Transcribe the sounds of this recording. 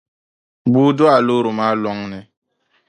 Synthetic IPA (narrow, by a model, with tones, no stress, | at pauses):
buː˦dʊ˦a˨loː˦ɾo˨maː˦lɔ˦ŋnɛ˨